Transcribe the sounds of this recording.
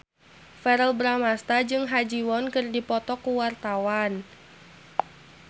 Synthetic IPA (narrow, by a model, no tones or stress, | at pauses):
fɛɾəlbɾamast̪ad͡ʒɨŋɦad͡ʒiwɔnkɨrdipɔt̪ɔkuwart̪awan